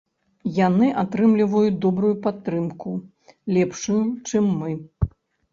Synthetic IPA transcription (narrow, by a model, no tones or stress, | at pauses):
janɨʔat̪ɾɨmlʲivɐjud̪ɔbɾujupat̪ːɾɨmku | lʲɛpʂujut͡ʂɨmːɨ